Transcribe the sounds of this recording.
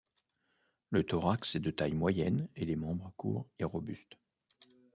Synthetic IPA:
lət̪ɔʁaksɛd̪ət̪ajmwajɛnelemɑ̃bʁəkʰṵːʁeʁɔbyst̪

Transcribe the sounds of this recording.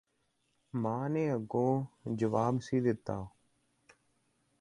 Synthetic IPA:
mãːnẽːəɡõːd͡ʒəʋaːbsiːd̪ɪt̪ːaː

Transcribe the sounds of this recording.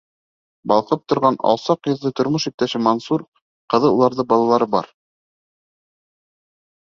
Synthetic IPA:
bɑ̰lˠqɤp̚t̪ŏɾʁɑnɑ̰lˠsɑqjɤ̆ðˠːɤjt̪ŏɾmoʃip̚t̪æʃɘmonsuɾ | qɤ̆ðɤulˠɑɾðɤbɑlˠɑlˠɑɾɤbɑ̰ɾ

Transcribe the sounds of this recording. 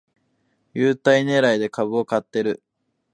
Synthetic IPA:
jɯːt̪aine̞ːɾaid̪e̞kaβɯ̟o̞kat̪ːe̞ɾɯ̟

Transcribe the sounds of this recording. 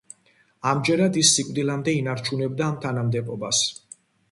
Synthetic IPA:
amd͡ʒɛɾad̪isːikʼd̪ilamd̪ɛinaɾt͡ʃʰunɛb̚d̪aːmt̪ʰanamd̪ɛbɔbas

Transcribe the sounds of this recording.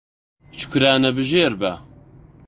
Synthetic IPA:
t͡ʃʰkʷʰɾaːnɐbɨʒeːɾbɐ̰

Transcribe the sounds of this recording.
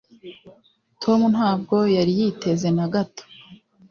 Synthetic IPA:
tʰo̞mun̥ɦaːb̚ɡo̞jaɾijitʰe̞ze̞naɡato̥

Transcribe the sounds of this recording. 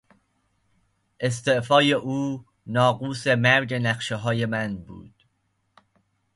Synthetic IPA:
ʔe̞s̬t̪e̞ʔfɒːje̞ʔuː | nɒːɡuːse̞mæɾd͡ʒe̞næχʃeɦɒːje̞mænbṵːd̪̥

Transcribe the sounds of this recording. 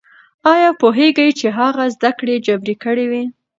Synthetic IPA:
ɑjɑpoɦeɡəjt͡ʃeɦaɣazd̪akɽed͡ʒabɾekəɽewi

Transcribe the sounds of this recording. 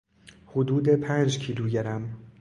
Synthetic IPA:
hod̪uːd̪e̞pʰæːnd͡ʒcʰiːluːɟeɾæm

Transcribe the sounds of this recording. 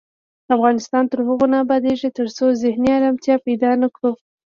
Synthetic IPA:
afɣɑnɪst̪ɑnt̪əɾhəɣonɑbɑd̪eʒet̪əɾsozɪhniaɾamt̪jɑpajd̪ɑnakɽu

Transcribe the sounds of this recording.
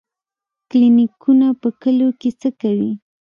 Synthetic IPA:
klinɪkʰunapəkəlokɪt͡səkawi

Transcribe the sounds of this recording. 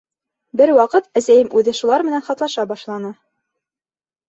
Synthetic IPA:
bɘɾwɑqɤt̪æsæjɘmʉðɘʃulˠɑɾmɘ̆nænχɑt̪lˠɑʃɑbɑʃlˠɑnɤ

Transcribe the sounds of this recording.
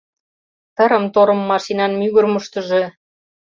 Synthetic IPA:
t̪ə̆ɾə̆mt̪oɾɤ̆mːɑʃinɑnmyɣə̆rmə̆ʃt̪ə̆ʒĕ

